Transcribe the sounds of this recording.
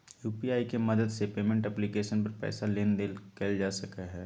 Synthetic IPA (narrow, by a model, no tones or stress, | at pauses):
juːpiaːikemɐd̪əd̪sepeːmẽɳʈɛplikeːʃənpɐɾpɛ̰ːsaleːnd̪ekeld͡ʒaːsɐkaɦɛː